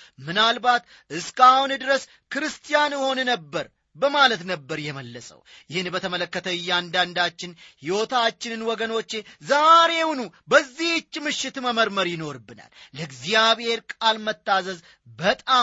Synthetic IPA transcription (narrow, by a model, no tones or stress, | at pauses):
mɨnalbat̪ | ɨskahund̪ɨɾəs | kɨɾɨst̪ʰijanjɪho̞nnəbːəɾ | bəmalət̪nəbːəɾjɛməlːəsʼə̰wjɪhɨnbət̪ʰəmələkːət̪ʰəɨjːand̪and̪at͡ʃːɪnhiwot̪ʰat͡ʃːɪnɨnwɔɡəno̞t͡ʃːe̞zaɾe̞wnubəzːiht͡ʃːmɨʃːɪt̪məməɾməɾjɪno̞ɾbːɨna̰lːəɡzijaβhe̞ɾkʼalmət̪ːazəz | bət̪ʼa